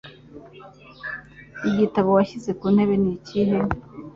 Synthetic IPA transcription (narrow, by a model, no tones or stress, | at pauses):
iɟitaβowaɕize̞kuːnhe̞βe̞niciɦe